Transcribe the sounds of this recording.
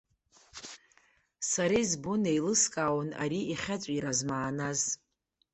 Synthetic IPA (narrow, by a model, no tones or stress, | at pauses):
saɾezbunejlɨskʼaːwna̰ɾiiχʲat͡ɕʷʼiɾazmaːnaz